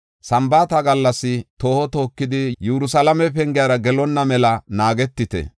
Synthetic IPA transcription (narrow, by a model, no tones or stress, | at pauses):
sɐmbaːt̪ɐɡɐlːɐsːɪt̪o̞ːhɔt̪o̞ːkːɪd̪ɪjɛɾʊsɐlɐmɛpɛŋɡɪjaːɾɐɡɛlɔnːɐmɛlɐnaːɡɛt̪ːɪt̪ɛ̰